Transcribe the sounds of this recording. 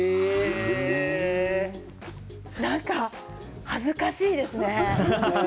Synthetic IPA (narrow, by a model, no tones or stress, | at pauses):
nãŋka | hazɨkaɕiːd̪e̞sɨne̞